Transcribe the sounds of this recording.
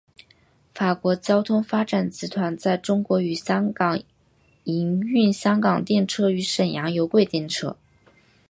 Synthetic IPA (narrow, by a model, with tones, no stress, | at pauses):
fa˨˩kwɔ˧˥t͡ɕjɑ˥ʊt̪ʰʊ˥ŋfa˥ʈ͡ʂa˨˩nt͡sɹ̩˧˥t̪ʰwa˧˥nt͡sa˥˩ɪʈ͡ʂʊ˥ŋkwɔ˧˥y˨˩ɕjɑ˥ŋkɑ˨˩ŋ | i˧˥ŋy˥˩nɕjɑ˥ŋkɑ˨˩ŋt̪jɛ˥˩nʈ͡ʂʰɤ˥y˧˥ʂə˨˩njɑ˧˥ŋjo˧˥ʊkwe˥˧ɪt̪jɛ˥˩nʈ͡ʂʰɤ̰˥